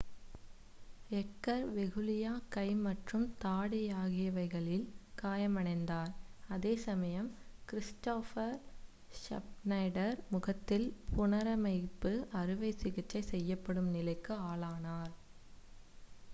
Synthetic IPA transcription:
ɛkːɐɾʋɛɣɯlɪjaːkɐɪmɐʈrɯmt̪aːɽɪjaːɣɪjɐʋɐɪɣɐɭɪlkaːjɐmɐɳɐɪnd̪aːɾɐðeːsɐmɐjɐmkɪɾɪsʈoːfɐɾ | ʂɐ̰p̚nɐɪɽɐɾmʊɣɐt̪ːɪlpʊnɐɾɐmɐɪpːɯʔɐrɯʋɐɪsɪɣɪʈt͡ʃːɐɪsɛjːɐpːɐɽɯmnɪlɐɪkːɯaːlaːnaːɾ

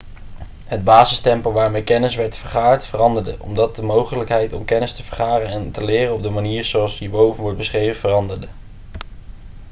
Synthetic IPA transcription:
ɦəd̚baːzəstɛmpəlˠʋaːɹmejkɛnɪsʋɛɹtfəɹχaːɹtfərɑndəɹdəʔɔ̰mdɑt̚dəmowχələkɦɛjtɔmkɛnɪstəvəɹχaːrənɛntəlɪːrəɔb̚dəmaniːɹzowɑlˠsibowvənʋɔɹt̚bəsχrejvəvərɑndəɹdə

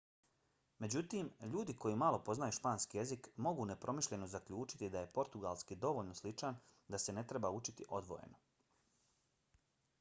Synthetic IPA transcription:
me̞d͡ʑut̪iːmʎuːd̪iko̞jimalˠo̞po̞znajuʃpaːnskije̞zikmo̞ɡune̞pɾo̞miʃʎe̞nozakʎuːt͡ʃi̥t̪id̪aje̞po̞ɾt̪uɡalˠskid̪o̞ʋo̞ʎnoslit͡ʂand̪ase̞ne̞t̪ɾe̞baut͡ʃit̪iʔo̞d̪ʋo̞̰jḛno

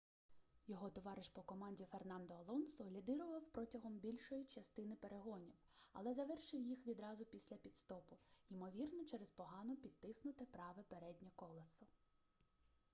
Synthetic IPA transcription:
jɔɦɔt̪ɔʋɑɾɪʃpɔkɔmɑnʲdʲifernɑnd̪ɔːlˠɔnsɔlʲid̪ɪɾʊʋɐwpɾɔtʲɐɦɔmbʲilʲʃɔjit͡ʃɐst̪ɪnɪpeɾeɦɔnʲiwɐ̰lˠɛzɐʋɛrʃɪwjixʋʲid̪ɾɑzʊpʲisʲlʲɐpʲid̪st̪ɔpʊimɔʋʲirnɔt͡ʃɛɾespɔɦɑnɔpʲid̪̚t̪ɪsnʊt̪ɪpɾɑʋɛpeɾɛdʲnʲɐkɔlˠɐsʊ

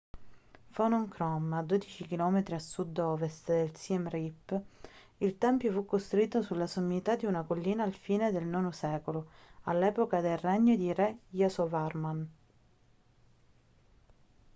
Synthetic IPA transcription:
fɔnɔŋkɾɔmad̪oːd̪it͡ʃik̟ilɔːmet̪ɾiasud̪ːɔːvest̪d̪elsiɛmripː | ilt̪ɛmpjofukːost̪ɾuiːt̪ːosulːasomːit̪ad̪iunakolːiːnaːlfiːned̪elnɔːnosɛːkoloalːɛːpokad̪elrɛɲːod̪iɾɛjasɔvarman

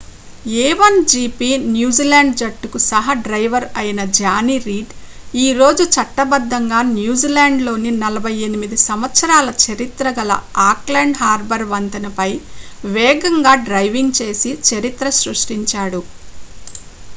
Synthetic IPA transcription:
ɛːʋɐnd͡ʒiːpiːnjuːd͡ʒiːlaːɳɖd͡ʒɐʈːukusɐɦɐɖɾɐjʋɐɾɐjinɐd͡ʒaːniɾiːɖ | iːɾo̞ːd͡ʒut͡ʃɐʈːɐbɐd̪ːɐŋɡaːnjuːd͡ʒiːlaːɳɖlo̞ːninɐlɐbʱɐjenimid̪isɐmʋɐt̪sɐɾaːlɐt͡ʃɐɾit̪ɾɐɡɐlɐ̰aːklaːɳɖhaːɾbɐɾʋɐnt̪ɐnɐpɐjʋɛːɡɐŋɡaːɖɾɐjʋiŋɡ̚t͡ʃe̞ːsit͡ʃɐɾit̪ɾɐsɾuʂʈiɲt͡ʃaːɽu

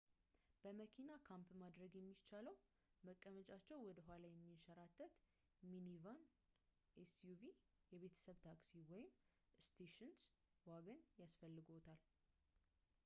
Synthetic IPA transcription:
b̥əməkʰinakʰampmad̪ɾəɡjɛmːit͡ʃʰaləw | məkʼːəmət͡ʃʼat͡ʃːɛwwɔd̪əɦʷalajɛmːiʃəɾat̪ʰʼːət̪ | minivan | ʔesjuvi | jɛβe̞t̪ʰə̥səβt̪ʰaksiwɔjɪm | st̪ʰeʃɪns | waɡənjasfəlːɨɡo̞t̪ʰal

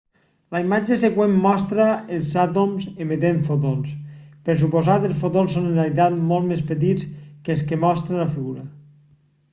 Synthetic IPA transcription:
ləimad͡ʒesekwemːɔst̪ɾəelˠzat̪omzemet̪eɱfot̪̬onspəɾs̬upozat̪elˠsfot̪onsonẽnrealit̪̬at̪molˠt̪mespət̪̬it͡skəlˠskəmɔst̪ɾeləfiɣuɾɐ

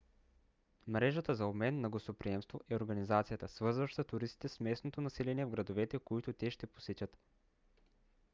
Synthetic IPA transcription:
mɾɛʒət̪əzɐobmɛnːɐɡost̪opɾiɛmst̪voʔɛoɾɡɐnizat̪sijət̪əsvɤɾzvəʃt̪ɐt̪ʊɾist̪i̥t̪ɛsmɛsnot̪onɐsɛlɛniɛvɡɾɐd̪ovɛt̪ɛkoit̪ʊt̪ɛʃt̪ɛpo̥sɛt͡ʃʲət̪

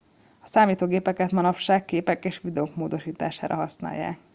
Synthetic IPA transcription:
ɒsaːmiːt̪oːɡeːpɛkɛt̪mɒnɒpʃaːkːeːpɛkeːʃʋid̪ɛoːkmoːd̪o̞ʃiːt̪a̰ːʃa̰ːɾʔɒ̰ɦɒsna̰ːjːa̰ːk

